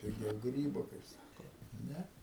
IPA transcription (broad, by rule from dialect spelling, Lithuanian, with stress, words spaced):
pʲɪˈɡʲɛʊ ˈɡrʲiːboː kɐɪp ˈsɑːkoː ˈnʲɛ